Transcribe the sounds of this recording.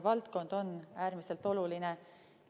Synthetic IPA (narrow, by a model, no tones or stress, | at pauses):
vɑlt̪ko̞nd̪̥o̞nːæːɾmise̞lt̪ˑo̞luline